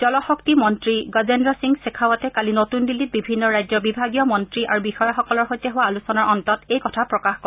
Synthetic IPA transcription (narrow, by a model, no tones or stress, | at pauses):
d͡ʒɔlɔxɔktimɔntɹiɡazendɹɔsiŋɡsekʰawɔtɛkalinotundilːit̚bibʱinːɔɹajzɔbibʱaɡijɔmɔntɹiʔaɹubixɔjaxɔkɔlɔɹxojtɛɦʊwaalusɔnaɹɔntɔtejkɔtʰapɹɔkaxko